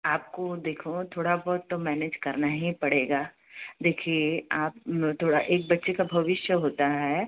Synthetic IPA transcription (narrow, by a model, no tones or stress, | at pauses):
aːp̚kod̪eːkʰot̪ʰoːɽabɔːt̪ːomɛːned͡ʒkɐɾnaɦĩpɐɽeːɡaː | d̪eːkʰieaːp̚t̪ʰoːɽaʔeːk̚bɐtːʃekabʱɐʋɪʃjəɦoːt̪aɦɛː